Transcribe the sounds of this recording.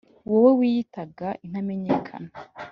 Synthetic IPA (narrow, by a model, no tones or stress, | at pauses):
uwowewiːjitaɡaʔin̥hame̞ɲe̞kʰa̰na